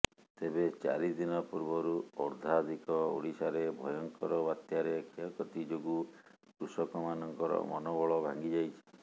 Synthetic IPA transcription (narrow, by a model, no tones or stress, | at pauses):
t̪ebet͡ʃa̰ɾid̪inɔpuɾbɔɾuɔɾd̪ʱad̪ʱikɔṵɽisaɾebʱɔjɔŋkɔɾɔbat̪jaɾekʰijɔkɔt̪id͡ʒoɡu | kɾusɔkɔmanɔŋkɔɾɔ̰mɔnɔbɔɭɔbʱaŋɡid͡ʒajt͡ʃʰi̥